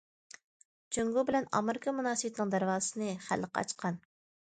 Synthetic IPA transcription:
t͡ʃʰøŋɡubɪlɛnɑ̰mɪɾɪkʰɑmunɑːsɨwɪt̪nɨŋd̪æɾwɑːɨsɨnɨχæ̰lːəqʰɑɑ̰t͡ʃqʰɑn

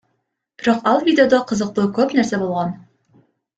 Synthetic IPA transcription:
b̥ɪɾoqɑlˠvʲidʲeod̪oqɤ̆zɤ̆q̚t̪ɤkɵpnæɾsæbolˠʁɑn

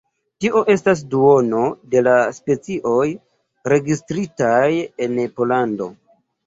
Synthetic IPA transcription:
tiʔo̞ʔe̞stas̬duo̞no̞de̞laspe̞t͡siʔo̞j | ɾe̞ɡistɾitaje̞npo̞lando̞̰

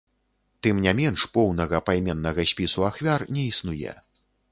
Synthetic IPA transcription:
t̪ɨmnʲamʲɛnʂpɔwnɐɣɐpajmʲɛnːɐɣɐsʲpʲisuaxvʲarnʲɛisnujɛ̰

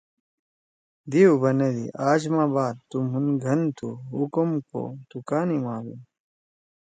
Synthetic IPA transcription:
d̪iubʱɐned̪ḭʔaːd͡ʑmaːbaːd̪̚t̪umɦunɡʱɐnt̪ʰuɦukumko̰d̪̥ukaːnimaːbu

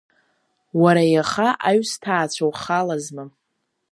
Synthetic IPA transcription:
waɾajaχaʔaɥstʰaːt͡ɕʷʰawχalazma

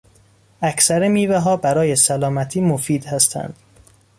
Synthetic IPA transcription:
æcʰsæɾemiːveɦɒːbæɾɒːje̞sælɒːmæt̪ʰiːmofiːd̪hæst̪ʰæ̰nd̪̥

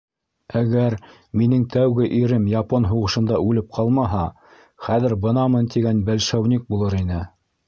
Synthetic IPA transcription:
æɡæɾ | minɘŋt̪ʰæwɡɘʔiɾɘmjɑponɦuʁɤ̆ʃɤ̆nd̪ɑʔʉlɘp̚qʰɑlˠmɑɦɑ | χæðɘɾbɤ̆nɑmɤnt̪iɡænbælʃæwnʲik̚bulˠɤɾinɘ

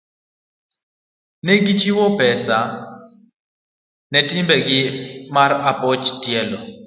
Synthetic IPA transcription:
nɛɡit͡ʃiwɔpɛsa | nɛtɪmbɛɡɪmaɾapɔt͡ʃtjɛlɔ

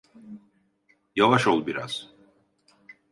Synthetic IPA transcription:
javaʃolˠbiɾa̰z̥

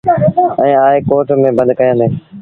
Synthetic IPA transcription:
ɛ̃ːaːekoːʈmẽːbənd̪kəjãːnd̪eː

